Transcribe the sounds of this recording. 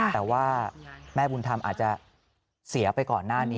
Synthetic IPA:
ɛː˨˩waː˥˩mɛː˥˩bu˧nt̪ʰa˧mʔa̰ː˨˩t͡ɕa˨˩ | si˨˩˦ɐpa˧jkɔː˨˩nːaː˥˩niː˦˥

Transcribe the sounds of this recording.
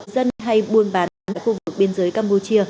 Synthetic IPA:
zə˧nɦa˧jɓu˧˩ənɓaː˨˦na˨˦a̰˧˨jxu˧˩vɨ˨˩k̚ɓi˧ənzəː˨˦jkaː˧mpu˧˩t͡ɕi˧ə

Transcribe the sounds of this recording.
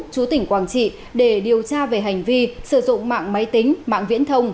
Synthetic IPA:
t͡ɕu˨˦t̪ï˧˩ŋ̟kwaː˧˩nt͡ɕḭ˧˨ | ɗe˧˩ɗi˨˩əwt͡ɕaː˧ve˨˩ɦa˨˩jŋ̟vi˧sɨ˧˩zʊ̰˧˨ŋ͡mma̰ː˧˨ŋma˨˦jt̪i˨˦ŋ̟ma̰ː˧˨ŋvḭ˧˥ənt̪ʰə˧wŋ͡m

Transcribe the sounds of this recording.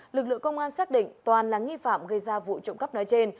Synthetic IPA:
lɨ˨˩k̚lɨ̰˧˨əŋkə˧wŋ͡mʔaː˧nsaː˦˥k̚ɗḭ̈˧˨ŋ̟t̪waː˨˩nlaː˨˩ŋi˧fa̰ː˧˨mɣə˧jzaː˧vṵ˧˨t͡ɕʊ̰˧˨ŋ͡mkə˦˥p̚nɔ˨˦jt͡ɕe˧n

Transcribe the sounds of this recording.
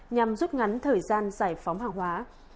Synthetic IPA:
ɲa˨˩mzu˦˥p̚ŋa˨˦jŋ̟t̪ʰəː˨˩jzaː˧nzaː˧˩jfa˨˦wŋ͡mɦaː˨˩ŋhwaː˨˦

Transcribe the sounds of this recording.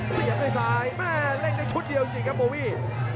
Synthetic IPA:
si˨˦əp̚naː˧˩jsaː˧jmɛː˥˩le˥˩k̚na˧jt͡ɕʰu˦˥t̪̚di˧əwt͡ɕi˧ŋkʰa˦˥p̚boː˧˦wiː˥˩

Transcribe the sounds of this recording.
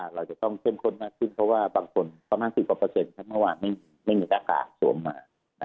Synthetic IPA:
ʔa˧˩ɾa˧wt͡ɕa˨˩t̪ɔ˥˩ŋk̪ʰe˥˨mkʰo˥˩nmaː˥˩kʰːɯ˥˩npʰɾɔ˦˥waː˥˩baː˧ŋkʰo˧npa˧maː˧nsi˨˩p̚ka˨˩pɤː˧se˧nk̪ʰa˦˥ma˥˩waː˧nma˥˩jmiː˧ma˥˩jmiː˧laː˧˩ka̰ː˨˩sṵ˩˦əmːaː˧ | na˦

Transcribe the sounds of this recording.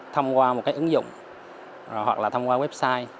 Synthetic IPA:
t̪ʰə˧wŋ͡mkwaː˧mo˨˩t̚kaː˨˦jʔɨ˨˦ŋzʊ̰˧˨ŋ͡m | hwa̰˨˩k̚laː˨˩t̪ʰwŋ͡mkwaː˧wɛ˦˥p̚saː˧j

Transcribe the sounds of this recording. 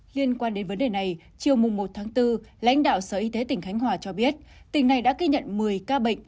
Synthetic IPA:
li˧ənkwaː˧nɗe˨˦nvə˨˦nɗe˨˩na˨˩j | t͡ɕi˨˩əwmʊ˨˩ŋ͡mmo˨˩t̚t̪ʰaː˨˦ŋt̪ɨ˧la̰˧˥jŋ̟ɗa̰ː˧˨wsəː˨˩ʔi˧t̪e˨˦t̪ï˨˩ŋ̟xa˨˦ŋ̟ɦwaː˨˩t͡ɕɔ˧ɓi˦˥ət̚t̪ï˨˩ŋ̟na˨˩jɗa̰ː˧˥ki˧ɲə̰˧˨nmɨ˨˩əjkaː˧ɓə̰˧˨ŋ̟

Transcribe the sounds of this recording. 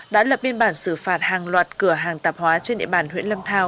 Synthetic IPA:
ɗa̰ː˧˥lə˨˩p̚ɲi˧ənɓaː˧˩nsɨ˧˩faː˨˩t̚haː˨˩ŋlwaː˨˩t̚kɨ˧˩əɦaː˨˩ŋt̪aː˨˩p̚hwaː˨˦t͡ɕe˧nɗḭ˧˨ɓaː˧˩nhwḭ˧˥ənlə˧mt̪ʰaː˧w

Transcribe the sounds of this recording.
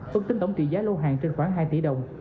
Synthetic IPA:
fɨ˨˩k̪̚i˧ŋt̪ə˧˩wŋ͡mt͡ɕḭ˧˨zaː˨˦˥lo˧ɦa̰ː˧˨ŋt͡ɕe˧nxwaː˨˦ŋɦaː˧jt̪ḭ˧˩˦ɗə˨˩wŋ͡m

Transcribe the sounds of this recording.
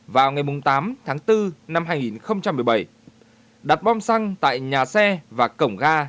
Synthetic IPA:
vaː˨˩wŋa˨˩jmʊ˨˩ŋ͡mt̪aː˨˦mt̪ʰaː˨˦ŋt̪ɨ˧na˧mɦaː˧jŋi˨˩nxə˧wŋ͡mt͡ɕa˧mːɨ˨˩əjɓə˧˩j | ɗa˨˩t̚ɓɔ˧msa˧ŋt̪a̰ː˧˨jɲaː˨˩sɛ˧vaː˨˩kə˧˩wŋ͡mɣaː˧

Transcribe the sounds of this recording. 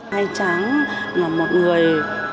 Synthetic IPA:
aː˧jt͡ɕa˧˦ŋa˨˩mo˨˩t̚ŋɨ˨˩əj

